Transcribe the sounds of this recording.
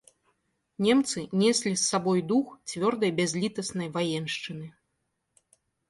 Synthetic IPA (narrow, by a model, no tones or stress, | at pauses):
nʲɛmt̪sɨnʲɛsʲlʲisːabɔjd̪uxt͡sʲvʲɔrd̪ɐjbʲazʲlʲit̪ɐsnɐjvajɛnʂt͡ʂɨnɨ